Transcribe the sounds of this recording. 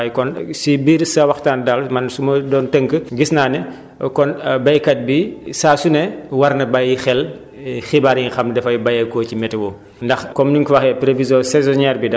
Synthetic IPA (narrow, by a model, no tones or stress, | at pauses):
jkɔnsibiːɾsɐwɐxtaːndalmɐnsumɐdɔːntəŋkəɡisnaːnɛ | kɔnbɐjkɐt̚bisaːsunɛwɐrnɐbɐjixɛl | xibaɾjiŋxɐmdɛfɐjbɐjɛkɔːcimɛtɛwɔ | ndɐxkɔmniŋkuwɐxɛpɾevizɔsɛzɔnɛːɾbidɐ